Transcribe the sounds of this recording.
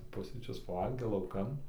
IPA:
ˈpʊsʲrʲiːt͡ʃʲʊs pɐˈʋɐlʲɡʲeː lˠɐʊˈkɐn

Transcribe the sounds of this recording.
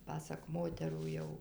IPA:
ˈpɑːsɐk ˈmoːtʲɛruː ˈjɛʊ

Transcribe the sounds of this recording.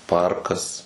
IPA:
ˈpɐrkɐs

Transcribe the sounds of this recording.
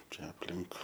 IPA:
ˈt͡ʃʲɛ ɐpʲˈlʲɪŋk

